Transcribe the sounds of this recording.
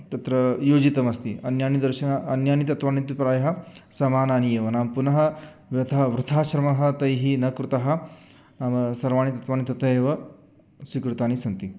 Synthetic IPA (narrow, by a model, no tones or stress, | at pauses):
t̪ɐt̪ɾɐjoːd͡ʒit̪ɐmɐst̪ḭʔɐnjaːnid̪ɐɾʃɐnaɐnjaːnit̪ɐt̪ʋaːnit̪ipɾaːjɐɦɐ̆sɐmaːnaːnijeːʋɐnaːmpunɐɦɐ̆ | ʋjɐt̪ʰɐɦɐʋɾut̪ʰaːʃɐɾɐmɐɦɐ̆t̪ɐjɦinɐkɾut̪ɐɦɐ̆ | naːmɐsɐɾʋaːɳit̪ɐt̪ʋaːnit̪ɐt̪ɐjeːʋɐ | sʋikɾut̪aːnisɐnt̪i